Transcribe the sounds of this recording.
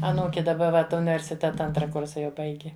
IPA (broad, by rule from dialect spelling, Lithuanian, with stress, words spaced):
ɐˈnuːkʲɪ dɐˈbɐ ˈʋɐt ʊnʲɪʋʲɛrʲsʲɪˈtʲæːtɐ ˈɐntrɐ ˈkʊrsɐ jɛʊ ˈbɐɪɡʲɪ